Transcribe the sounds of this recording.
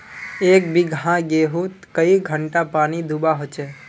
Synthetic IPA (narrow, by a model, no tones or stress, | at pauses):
eːkbiɡʱɦãɡeɦut̪kəiɡʱəɳʈapaːnid̪ʱubaɦot͡ʃe